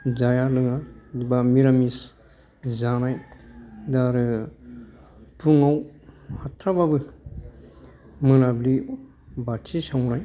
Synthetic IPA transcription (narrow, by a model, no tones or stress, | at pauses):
zajalɯŋadibamiɾamis | zanaj | daɾɯ | pʰuŋawhatʰɾababɯ | mɯnabli | batʰisawnaj